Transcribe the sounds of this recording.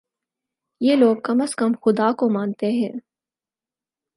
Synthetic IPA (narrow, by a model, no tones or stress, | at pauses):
jeːloːɡ̚kɐməskəmxʊd̪aːkomaːnt̪eɦɛ̃ː